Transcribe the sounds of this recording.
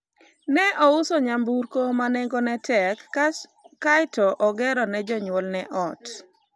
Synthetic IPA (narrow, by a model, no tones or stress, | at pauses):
nɛʔɔʊsoɲambuɾkomanɛŋɡonɛtʰɛk | kajtɔʔɔɡɛɾɔnɛd͡ʒɔɲwɔlnɛʔɔt